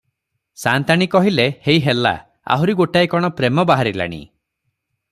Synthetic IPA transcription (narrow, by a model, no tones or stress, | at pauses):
sant̪aɽ̃ikɔɦilehejɦela̰ | a̰ɦuɾiɡoʈajkɔɽ̃ɔpɾemɔbaɦaɾila̰ɽ̃ḭ